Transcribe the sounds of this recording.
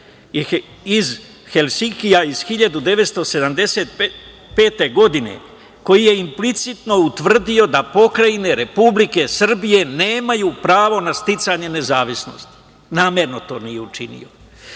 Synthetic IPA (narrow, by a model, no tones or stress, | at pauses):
iz | xelsikijaiz̥xiʎad̪ud̪e̞ʋet̪st̪o̞se̞d̪amd̪e̞se̞ːt̪ | pe̞ːt̪e̞ɡo̞d̪ine̞̰ | ko̞jije̞implit̪sit̪no̞ut̪ʋr̩d̪io̞d̪apo̞kɾaine̞ɾe̞publike̞sr̩bije̞ne̞ːmajuːpɾaːʋo̞nast̪it̪saɲe̞ne̞zaːʋisno̞̰st̪i̥ | naːmeɾno̞t̪o̞ːnijeut͡ʃinḭjo